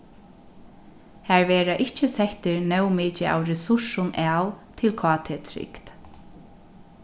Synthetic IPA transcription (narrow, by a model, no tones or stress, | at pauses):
hæɹʋeːɾaʔɪht͡ʃəsɛht̪ɪɹnɛwmɪːt͡ʃɪʔa̰wɹɛsʊʂʊnɛːwt̪ʰɪlkʰɑːt̪ʰeːt̪ʰɾɪ̰kt̪